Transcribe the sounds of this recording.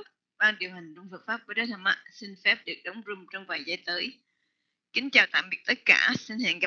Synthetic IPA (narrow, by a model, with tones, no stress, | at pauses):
ɓaː˧ŋɗi˨˩əwɦa˨˩ŋ̟ɗʊ˧ŋ͡mfə˨˩k̚faː˦˥p̚vuː˨˦ɗəː˨˦t̪ʰə˧˩mʔa̰˧˩sï˧ŋfɛ˦˥p̚ɗɨ˨˩ək̚ɗə˨˦wŋ͡mzʊ˧ŋ͡mt͡ɕɔ˧ŋ͡mvaː˨˩jzaː˧˩jt̪əː˨˦j | kï˨˦ŋ̟t͡ɕaː˨˩wt̪a̰ː˧˨mɓi˨˩ək̚t̪ə˦˥t̚ka̰ː˧˩si˧ŋ̟hɛ̰ː˧˨ŋɣa˨˧˦